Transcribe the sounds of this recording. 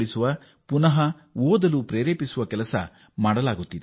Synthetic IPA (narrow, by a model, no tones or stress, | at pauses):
ɭisuʋɐ | punɐɦɐ | oːd̪ɐlupɾeːɾeːpisuʋɐkɛlɐsɐ̰ | maːɽɐlaːɡut̪ːid̪e